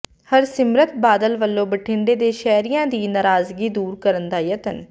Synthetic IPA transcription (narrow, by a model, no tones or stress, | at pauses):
həɾsɪmɾət̪̚baːd̪əlʋəlːõːbəʈʰɪɳɖeːd̪eːʃɛːɾijãːd̪iːnaːɾaːzɡiːd̪uːɾkəɾənd̪aːjət̪ən